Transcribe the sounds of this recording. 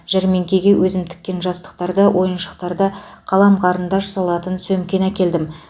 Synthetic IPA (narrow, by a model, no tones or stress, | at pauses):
ʒ̥æɾme̞ŋkʲe̞ɡʲe̞wʔɵzɪmt̪ʰɪ̥kʲːe̞nʒɑst̪ə̥q̚t̪ɑɾd̪əwʔo̞jənʃə̥q̚t̪ɑɾd̪əqʰɑlˠɑmqʰɑɾənd̪ɑʒɑsɑlˠɑt̪ənsɵmkʲe̞nækʲe̞ld̪ɪm